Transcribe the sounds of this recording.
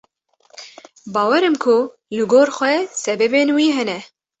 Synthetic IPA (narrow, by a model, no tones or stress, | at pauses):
bɑːwɛɾɨmkʰʊ | lɨɡoːɾxʷɛsɛbɛbeːnwiːɦɛnɛ